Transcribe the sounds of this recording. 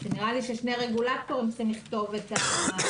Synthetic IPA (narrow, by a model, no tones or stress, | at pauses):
zeniʁaliʃeʃne̞jʁeɡulat̪o̞ʁinsimliχt̪o̞veta